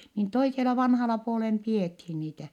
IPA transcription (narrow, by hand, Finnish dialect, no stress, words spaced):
niːn toiselɑ ʋɑnhɑlɑ puolem piethi niːtæ